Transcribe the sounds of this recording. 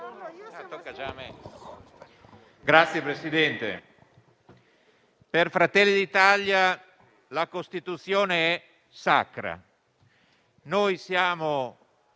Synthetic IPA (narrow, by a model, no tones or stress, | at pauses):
t̪okːad͡ʒaːmɛ | ɡɾat̪sːjepɾesid̪ɛnt̪ḛ | perfɾat̪ɛlːid̪it̪alja | lakost̪it̪ut̪sːjoːneɛ | sa̰kɾa̰ | nojsjaːmo